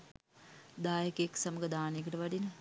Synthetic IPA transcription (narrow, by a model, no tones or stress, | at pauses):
d̪aːjəkejeksaməɡəd̪aːnejekəʈəʋaɖinə